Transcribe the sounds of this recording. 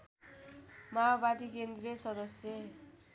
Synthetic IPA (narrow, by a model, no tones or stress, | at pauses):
maobad̪ikend̪resʌd̪ʌsjʌ